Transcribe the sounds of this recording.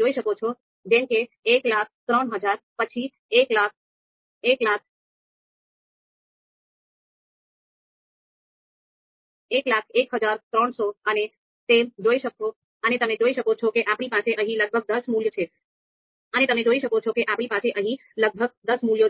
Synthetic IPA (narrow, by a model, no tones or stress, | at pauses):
d͡ʒoiʃəkot͡ʃʰo | d͡ʒẽmke | eklak̚ʰt̪ɾəɳɦəd͡ʒaɾpət͡ʃʰi | eklak̚ | eklak̚ʰ | eklakʰekɦəd͡ʒaɾt̪ɾəɳsoəne | t̪emd͡ʒoiʃəko | ənet̪əmed͡ʒoiʃəkot͡ʃʰokeʔapɽ̃ipaseʔəɦĩləɡ̚bʱəɡ̚d̪əsmuljət͡ʃʰe | ənet̪əmed͡ʒoiʃəkot͡ʃʰokeʔapɽ̃ipaseʔəɦĩ | ləɡ̚bʱəɡd̪əsmuljo